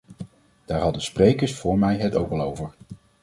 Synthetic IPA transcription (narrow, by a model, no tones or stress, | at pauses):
d̥aːɹɦɑdənsprejkəɹsfʊːɹmɛjɦɛtowkɑlˠowvəɹ